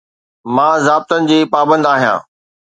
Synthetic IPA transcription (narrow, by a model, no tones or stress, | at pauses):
mãːzaːb̚t̪ənɪ̆d͡ʑeːpaːbə̃nd̪aːɦijã̰ː